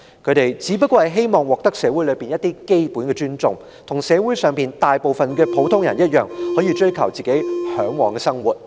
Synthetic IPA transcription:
kʰɵ˨˧t̪e˨jt͡siː˨˥pɐ˥t̚kʷwɔː˧hjɦe˥jmɔː˨˩ŋwɔː˨k̚t̪ɐ˥k̚sɛː˨˧˥wu˨˥lɵ˨˧jpiː˨njɐ˥t̪iː˥ke˥jpuː˨˥nkɛː˧t͡ʃyː˥nt͡sʊ˨ŋ | t̪ʰʊ˨˩ŋsɛː˨˧wu˨˥jsœː˨˩ŋpiː˨nt̪aː˨jpo˨wfɐ˨nkɛː˧pʰo˨˥wt̪ʰʊ˥ŋjɐ˨˩njɐ˥t̚jœː˨˩ŋhɔ˨˧˥jiː˨˧t͡ʃɵ˥ɥkʰɐ˨˩wt͡siː˨˩ke˨˥jhœː˨˥ŋwɔː˨˧ŋkɛː˧sɐ˥ŋwuː˨˩t̚

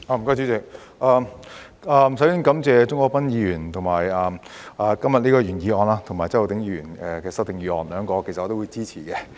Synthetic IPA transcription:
aː˧m̩˨kɔː˥jt͡ʃyː˨˥t͡sɪ˨k̚ | ʔaː˧ | aː˨˧m˨˩sɐ˨˥jy˧˨˥nkɐ˨˥mt͡sɛː˧t͡sʊ˥ŋkʷɔː˧˥kpɐ˥njiː˨˧jyː˨˩nt̪ʰʊ˨˩ŋmaː˨˩jɐː˨˧m | aː˨˧kɐ˥mjɐ˨t̚liː˥kɔː˧jyː˨˩njiː˨˧ɔː˨˧nlaː˧t̪ʰŋmaː˨˩t͡ɕt͡sɐ˥jt̪ɪ˨˥ŋjiː˧jy̰ː˨˩nɛː˨kɛː˧sɐ˥k̚t̪ɪ˨˧ŋji˨˧ɔ̰ː˧nlœː˨˥ŋkɔː˧kʰe˨˩sɐ˨ʔɔː˨˧t̪wuː˨˧jt͡siː˥t͡sʰiː˨˩kɛ˧

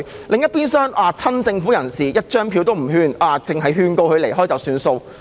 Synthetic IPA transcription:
lʔɪ˨ŋjɐ˥t̚piː˥nsœː˥ŋʔaː˨˧t͡sʰɐ˥nt͡sɪ˧ŋfuː˨˥jɐ˨˩nsiː˨˩jɐ˥t̚t͡ʃœː˥ŋpʰiː˨˧wt̪o˥wm̩˨˩hyː˧nʔaː˨˧t͡sɪ˨ŋɦɐ˨jɦyː˧nko˧whɵ˧ɥle˨˩jɦɔː˥jt͡sɐ˨wsyː˧nso˧w

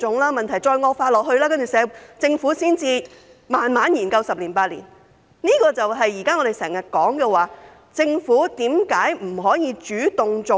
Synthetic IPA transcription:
ʊ˨˥ŋlaː˥mɐ˨nt̪ʰɐ˨˩jt͡sɔː˧jŋɔː˧k̚faː˧t̚lɔː˨k̚hɵ˧ɥlaː˥kɐ˥nt͡ʃyː˨˩sɛː˨˥t͡sɪ˧ŋfuː˨˥siː˥nt͡siː˨˧ | maː˨nmaː˨˥njiː˨˩nkɐ˧wsɐ˨p̚liː˨˩npaː˧t̚lḭː˨˩n | niː˥kɔː˧t͡sɐ˨wɦɐ˨jːiː˨˩kaː˥ŋɔ˨˧e˨jsɛː˨˩ŋjɐ˨˩t̚kɔː˨˥ŋkɛː˧waː˨ | t͡sɪ˧ŋfuː˨˥t̪iː˨˥mkaː˨˥jm̩˨˩ɦɔː˨˥jiː˨˧t͡ʃyː˨˥t̪ʊ˨ŋt͡sʊ˨

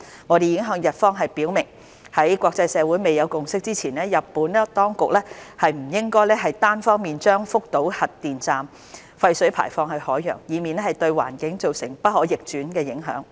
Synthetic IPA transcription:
ŋɔː˨˧d̪e˨jɪ˨˥ŋɦœː˧ŋjɐ˨t̚fɔː˥ŋɦɐ˨jpiː˨˥wmɪ˨˩ŋ | hɐ˨˥jkʷɔː˧k̚t͡sɐ˧jsɛː˨˧wu˨˥jme˨jɐ˨˧wkʊ˨ŋsɪ˥k̚t͡siː˥t͡sʰiː˨˩nlɛː˥jɐ˨˩pːuː˨˥nɛ˥t̪ɔː˥ŋkʊ˨k̚lɛː˥hɐ˨jm̩˨˩jɪ˥ŋkɔː˥jlɛː˥ɦɐ˨jt̪aː˥nfɔː˥ŋmiː˨nt͡ʃœː˥ŋfʊ˥k̚t̪o˨˥whɐ˨tt̪ːiː˨nt͡saː˨m | fɐ˧jsɵ˨˥pʰa̰ː˨˩jfɔː˧ŋhɐ˨˩jhɔː˨˥jːœ̰ː˨˩ŋjiː˨˧miː˨nlɛː˥hɐ˨˩jt̪ɵ˧ɥwa̰ː˨˩nkɪ˨˥ŋt͡so˨wsɪ˨˩ŋpɐ˥t̚hɔː˨˥jɪ˨k̚t͡ʃyː˨˥nkɛː˧jɪ˨˥ŋɦœ̰ː˨˥ŋ

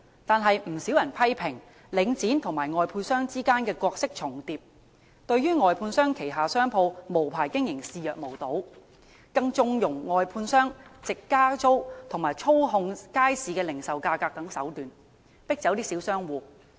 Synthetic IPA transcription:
t̪aː˨nɦɐ˨jm̩˨˩siː˨˥wjɐ˨˩npʰɐ˥jpʰɪ˨˩ŋ | lɪ˨˧˥ŋt͡siː˨˥nt̪ʰʊ˨˩ŋmaː˨˩jŋɔː˨jpʰuː˧nsœː˥ŋt͡siː˥kaː˥nkɛː˧kɔː˧k̚sɪ˥k̚t͡sʰʊ˨˩ŋt̪iː˨p̚ | t̪ɵ˧ɥɥyː˥ŋɔː˨jpʰuː˧nsœː˥ŋkʰe˨˩jɦaː˨sœː˥ŋpʰo˧wmo˨˩wpʰaː˨˩jkɪ˥ŋjɪ˨˩ŋsiː˧jœː˨k̚mo˨˩wt̪o˨˥w | kɐ˧ŋt͡sʊ˧ŋjʊ˨˩ŋːɔː˨˧jpʰuː˧nsœː˥ŋt͡sɪ˨kːaː˥t͡so˥wt̪ʰŋmaː˨˩jt͡ʃʰo˥wɦʊ˧ŋkaː˥jsiː˨˧kɛː˧lɪ˨˩ŋsɐ˨wkaː˧kaː˧k̚t̪ɐ˨˥ŋsɐ˨˥wt̪yː˨n | pɪ˥k̚t͡sɐ˨˥wt̪iː˥si˨˥wsœː˥ŋwuː˨˧

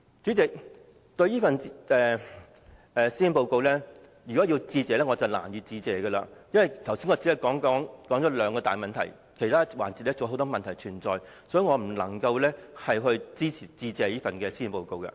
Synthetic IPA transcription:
t͡syː˨˥t͡sɪ˨k̚ | t̪ɵ˧ɥjiː˥fɐ˨nɛː˨ | ɛː˨siː˥i˧npo˧wko˧wlɛː˥ | jyː˨˩kɔː˨˥jiː˧wt͡siː˧t͡sɛː˨˧lɛː˥ŋɔː˨˧t͡sɐ˨˩wla̰ː˨˩njiː˨˧wt͡siː˧t͡sɛː˨˧ɡə˧la̰ː˧jɐ˥nwɐ˨˩jt̪ʰɐ˨˩wsiː˥ŋɔː˧t͡si˨˥hɐ˨˩kɔː˨˥ŋkɔː˨˥ŋkɔː˨˥ŋt͡sɔː˨˥lœː˨˥ŋkɔː˧t̪aː˨jmɐ˨nt̪ʰɐ˨˩j | kʰe˨˩jt̪ʰaː˥wa̰ː˨˩nt͡si˨t̚lɛ˥t͡so˨˧ɦo˨˥wt̪ɔː˥mɐ˨nt̪ʰɐ˨˩jt͡ʃʰyː˨˩nt͡sɔː˨j | sɔː˨˥jy˨˧ŋɔː˨˧m̩˨˩lɐ̰˨˩ŋkɐ˧wlɛ˥hɐ˨jɦɵ˧ɥt͡siː˥t͡sʰiː˨˩t͡siː˧t͡sɛː˨˧jiː˥fɐ˨nkɛː˧siː˥i˧npo˨˧wko˨˧wkɐ̰˧

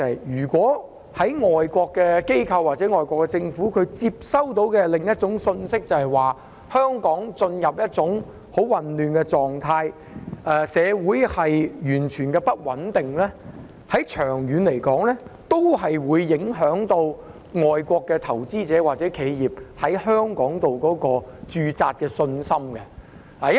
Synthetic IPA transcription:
jjyː˨˩kʷɔː˨˥ | hɐ˨˥jŋɔː˨jkʷɔː˧kːɛː˧ke˥jkʰɐ˧wːaː˨˩t̚t͡sɛ˨˥ŋɔː˨jkʷɔː˧kːɛ˧t͡sɪ˧ŋfuː˨˥kʰɵ˨˧t͡siː˧p̚sɐ˥wt̪̬o˧˥wkɛː˧lɪ˨ŋjɐ˥t̚t͡sʊ˨˥ŋsɵ˧nsɪ˥k̚t͡sɐ˨˩hɐ˨˩jwaː˨ | hœː˥ŋkɔː˨˥ŋt͡sɵ˧njɐ˨p̚jɐ˥t̚t͡sʊ˨˥ŋ | ho˨˥wwɐ˨nlyː˨nkɛː˧t͡sɔː˨ŋt̪ʰaː˧j | ʔɛː˧sɛː˨˧wuː˨˥jhɐ˨jjyː˨˩nt͡ʃʰyː˨˩nkɛ˧pɐ˥t̚wɐ˨˥nt̪ɪ˨ŋlɛː˥ | hɐ˨˥jt͡ʃʰœː˨˩ŋjyː˨˧nle˨˩jkɔː˨˥ŋlɛː˥t̪o˥wɦɐ˨jwuː˨˧jːɪ˨˥ŋɦœː˨˥ŋt̪o˧w | ŋɔː˨jkʷɔː˧kːɛː˧t̪ʰɐ˨˩wt͡siː˥t͡sɛː˨˥waː˨t̚t͡sɛː˨˥kʰe˨˧jjiː˨p̚hɐ˨˥jhœː˥ŋkɔː˨˥ŋt̪o˨wkɔː˨˥kɔː˧t͡ʃyː˧t͡saː˧t̚kɛː˧sɵ˧nsɐ˥mkɛ˧ | laː˨j

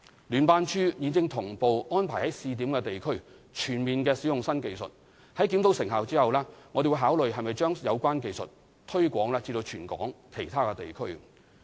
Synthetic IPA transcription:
lyː˨˩npaː˧nt͡ʃʰyː˥jiː˨˧nt͡sɪ˧ŋt̪ʰʊ˨˩ŋpo˨wɔː˥npʰaː˨˩jhɐ˨˥jsiː˧t̪̬iː˨˥mkɛː˧t̪e˨jkʰɵ˥ɥ | t͡ʃʰyː˨˩nmiː˨nkɛː˧si˨˥jʊ˨ŋsɐ˥nke˨jsɵ̰˨t̚ | hɐ˨˥jk̬i˨˥mt̪o˨˥wsɪ˨ŋɦaː˨wt͡siː˥hɐ˨wlaː˥ŋɔ˨˧d̪e˨wu˧jɦaː˨˥wlɵ˨ɥɦɐ˨jmɐ˨jt͡ʃœː˥ŋjɐ˨˧wkʷaː˥nke˧jsɵ̰˨t̚ | t̪ʰɵ˥ɥkʷɔː˨˥ŋlaː˧t͡siː˧t̪o˧wt͡ʃʰyː˨˩nkɔ̰ː˨˥ŋkʰe˨˩jt̪ʰaː˥kɛ˧t̪e˨jkʰɵ˥ɥ

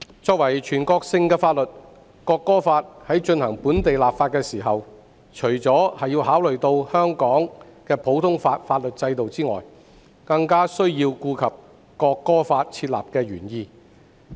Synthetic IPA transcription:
t͡sɔː˧k̚wɐ˨˩jt͡ʃʰyː˨˩nkɔː˧k̚sɪ˧ŋkɛː˧faː˧t̚lɵ˨t̚ | kɔː˧kːɔː˥faː˧t̚hɐ˨˥jt͡ʃɵ˧nhɐ˨˩ŋpuː˨˥nt̪e˨jlaː˨p̚faː˧t̚kɛː˧siː˨˩ɦɐ˨w | t͡ʃʰɵ˨˩t͡sɔː˨˥hɐ˨jːiː˧wɦaː˨˥wlɵ˨ɥt̪o˧whœː˥ŋkɔː˨˥ŋkɛː˧pʰo˨˥wt̪ʰʊ˥ŋfaː˧t̚faː˧t̚lɵ˨t̚t͡sɐ˧jt̪o˨wt͡siː˥ŋɔ̰ː˨j | kɐ˧ŋkaː˥sɵ˥ɥjiː˧wkuː˧kʰɐ˨p̚ | kɔː˧kːɔː˥faː˧t̚t͡sʰiː˧t̚la̰ː˨p̚kɛː˧ɥyː˨˩njiː˧

